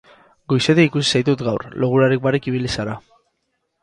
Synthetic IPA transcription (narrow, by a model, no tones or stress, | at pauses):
ɡojseðeikusi̥sajt̪ut̪ɡawɾloɣuɾaɾik̚baɾekiβ̞ilisaɾa